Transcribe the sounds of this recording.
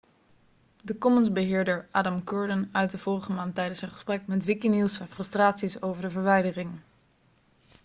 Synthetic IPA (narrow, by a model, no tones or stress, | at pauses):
dəkɔmənzbəɦɪːɹdəɹʔaːdɑmkøːɹdənœɥt̚dəv̥ʊːrəχəmaːntɛjdənsɛnχə̥sprɛk̚mɛtʋɪkinilˠsɛnfrɵstraːtsisowvəɹdəvəɹʋɛjdərɪŋ